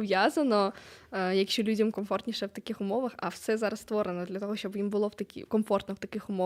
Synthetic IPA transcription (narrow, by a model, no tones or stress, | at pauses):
vʲjazɐnɔ | jɐkɕʲɔlʲudʲɐmkɐmfort̪ʲnʲɪʂɛwt̪ɐkʲixʊmoʋɐxɐ̰fsɛzaɾɐst̪voɾɨnɐd̪lʲɐt̪oɦɔɕʲt͡ɕobimbɨlˠowt̪ɐkʲḭkɐmfort̪nɐwt̪ɐkɪxʊmo